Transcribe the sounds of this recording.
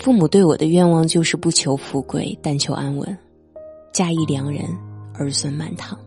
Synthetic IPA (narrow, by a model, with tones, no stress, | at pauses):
fu˥˩mu˨˩t̪we˥˩ɪwɔ˨˩d̪ə˦ɥɛ˥˧nwɑ˥˧ŋt͡ɕjo˥˧ʊʂɻ̩˥˧pu˥˩t͡ɕʰjo˧˥ʊfu˧˥kwḛ˥˩ɪt̪a˥˩nt͡ɕʰjo˧˥ʊʔa˥nwə̰˧˥n | t͡ɕja˥i˥˩ljɑ˧˥ŋɻə̰˧˥nə˞˧˥swə˧˥nma˥˩nt̪ʰɑ˨˩˦ŋ